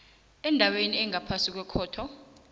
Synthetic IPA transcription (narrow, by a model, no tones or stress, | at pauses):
ɛndʱaweniɛŋʱapʰasik̬wɛkʰɔːtʰɔ